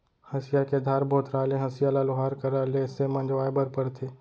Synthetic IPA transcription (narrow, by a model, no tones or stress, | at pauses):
hɐsɪjaked̪ʱaːɾbʱoːt̪ɾaːlẽɦɐsɪjalaloɦaːɾkɐɾalesemɐ̃nd͡ʒʋaːebəɾpəɾt̪ʰeː